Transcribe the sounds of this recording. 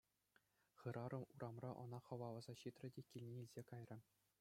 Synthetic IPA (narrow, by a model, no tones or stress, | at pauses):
χɯ̆ɾɑɾɤ̆muɾʔɑmrɑʔɤ̆nɑχɤ̆ʋɑlˠɤ̆zɑɕit̪rʲɘ̆dʲekʲilʲnʲeilʲzʲekɑjrʲɤ̆